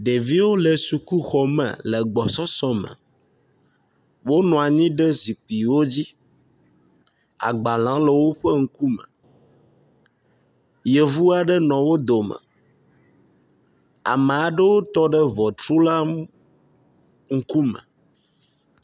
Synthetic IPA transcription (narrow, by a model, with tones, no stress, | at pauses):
ɖe˨vi˦wo˦le˨su˨ku˦xɔ˨mɛ̰˨lə˨ɡ͡bɔ˨sɔ˦sɔ̃˦mə̰̃˨ | wo˦nɔ̃˨a˨ɲĩ˦ɖɛ˦zi˨k͡pi˨wo˦d͡ʑi˦ | a̰˨ɡ͡ba˨l̃ã˨˦lɛ˨wo˦ɸɛ˦ŋ̩˦ku˦mɛ̰̃˨ | je˨vu˦a˨ɖɛ˦nɔ̃˨wo˦d̪o˨mə̰˨ | a̰˨mɛ˨a˨ɖə˦wo˦t̪ɔ˦ɖɛ˦vɔ˨t͡ʃ̪ɾu˦la˦ | ŋ̩˦ku˦mə̰̃˨